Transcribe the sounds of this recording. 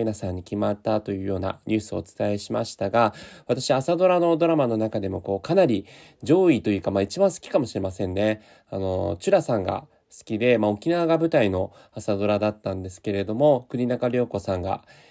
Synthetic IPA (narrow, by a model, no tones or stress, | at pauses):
nasãɲ̟ːikʲimat̪ːat̪o̞jɯ̟ːjo̞ːna̰ɲʲɨːsɨo̞̰ːt͡sɨ̥t̪aeɕimaɕi̥t̪aɡaβat̪aɕiβaːsad̪o̞ɾano̞d̪o̞ɾamano̞nakad̪e̞mo̞ko̞ːkanaɾʲi | d͡ʑo̞ːit̪o̞jɯ̟ːkamait͡ɕibãɰ̃sɨ̥kʲi̥kamo̞ɕiɾe̞masẽ̞nːe̞ | ano̞̰t͡ɕɨɾasãŋɡa̰ | sɨ̥kʲid̪e̞mao̞kʲinaɡabɯ̟t̪aino̞ | asad̪o̞ɾad̪at̪ːãnd̪e̞sɨ̥ke̞ɾe̞d̪o̞mo̞kɯ̟ɲ̟inakaɾʲo̞ːko̞sãŋɡa̰